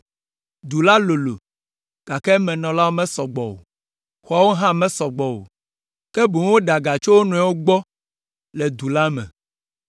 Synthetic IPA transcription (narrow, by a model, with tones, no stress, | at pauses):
d̪u˨la˦lo˨lo̰˨ | ɡ̥a˨kɛ˦mɛ̃˨nɔ̃˨la˦wo˦mɛ̃˦sɔ˨ɡ͡bɔ̰˨wo̰˨ | xa˨wo˦ɦã˦˨mɛ̃˦sɔ˨ɡ͡bɔ˨o̰˨ | kɛ˦bu˨˦wo˦ɖa˨ɡa˨t͡ʃo˦wo˦nũ˨ɛ˨wo˦ɡ͡bɔ˦ | lɛ˨d̪u˨la˦mɛ̰̃˨